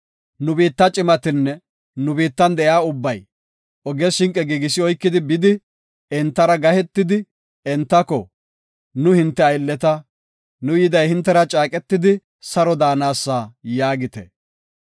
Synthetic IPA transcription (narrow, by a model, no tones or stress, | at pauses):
nʊbiːt̪ːɐt͡ʃʼɪmɐt̪ɪnːɛ | nʊbiːt̪ːɐnd̪ɛʔjaːʊbːɐj | ɔɡɛʃɪŋkʼɛɡiːɡɪsɪɔjkːɪd̪ɪbɪd̪ɪ | ɛnt̪ːɐɾɐɡɐhɛt̪ːɪd̪ɪ | ɛnt̪ːɐkɔ | nʊhɪnt̪ːɛɐjlːɛt̪ɐ | nʊjɪd̪ɐjhɪnt̪ːɛɾɐt͡ʃʼaːkʼɛt̪ːɪd̪ɪ | sɐɾɔd̪aːnaːsːaːjaːɡɪt̪ɛ̰